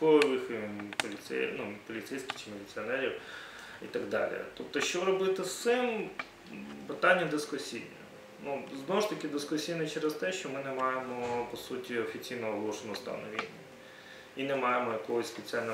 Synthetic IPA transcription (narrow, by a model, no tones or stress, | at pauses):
ɔʋɪxpɔlʲit̪sɛ̰nupɔlʲit̪sɛjsʲkʲɪ̥xt͡ʃɪmʲɪlʲit̪sʲɨɔnɛɾʲiw | it̪ɐɡd̪ɑ̰lʲḭt̪ɔp̚t̪ɔʃt͡ʃɔɾɔbɪt̪ɪst̪sɪm | pɪt̪ɑnʲːɐd̪ɪskʊsʲijnʲɛ | nuznɔʊʃt̪ɐkʲɪd̪ɪskʊsʲijnɪt͡ʃɛɾɛst̪ɛʃt͡ʃɔmɪnɛmɑjemɔpɔsutʲiɔfʲit͡sʲijnɔɔɦlˠɔʃɪnʊst̪ɐ̰nɔʋʲinʲːɐ | inɛmɑjemɔjɐkɔɦɔsʲspet͡sʲalʲnɐ